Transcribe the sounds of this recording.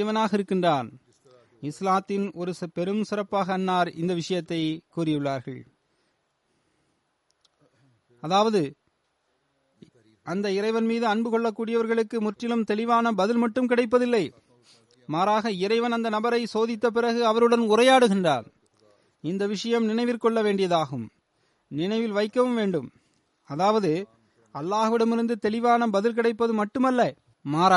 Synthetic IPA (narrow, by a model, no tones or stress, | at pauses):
ʋɐnaːɣɐɪɾɯkːɪndraːn | ɪslaːt̪ːɪnɔɾɯspɛɾɯmsɪrɐpːaːɣɐːnːaːɾɪ̰nd̪ɐʋɪʂɐjɐt̪ːɐɪkuːrɪjɯɭːaːɾɣɐɭ | ɐðaːʋɐðɯ | ɐnd̪ɐɪɾɐɪʋɐnmiːðɯɐɳbɯkɔɭːɐkːuːɽɪjɐʋɐɾɣɐɭɯkːɯmʊʈrɪlɯmt̪ɛlɪʋaːnɐbɐðɪlmɐʈːɯmkɪɽɐɪp̬ːɐðɪlːɐɪ | maːɾaːɣɐɪɾɐɪʋɐnɐnd̪ɐnɐbɐɾɐɪsoːðɪt̪ːɐp̬ɪɾɐɣɯɐʋɐɾɯɽɐnʊrɐjaːɽɯɣɪndra̰ːn | ɪnd̪ɐʋɪʂɐjɐmnɪnɐɪʋɪrkːɔɭːɐʋeːɳɖɪjɐðaːɣɯm | nɪnɐɪʋɪlʋɐɪkːɐʋɯmʋeːɳɖɯm | ɐðaːʋɐðɯ | ɐlːaːɣʋɪɽɐmɪɾɯnd̪ɯt̪ɛlɪʋaːnɐbɐðɪlk̬ɪɽɐɪpːɐðɯmɐʈːɯmɐlːɐ | maːɾaː